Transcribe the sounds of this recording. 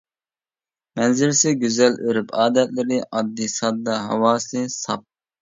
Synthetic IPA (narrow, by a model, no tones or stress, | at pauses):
mɛnzɪlsɪɡʲyzɛlʔøɾypʰɑːd̪ɛt̪lɪɾɪʔɑd̪ːisɑd̪ːɑɦɑ̰wɑːsɨsɑp̚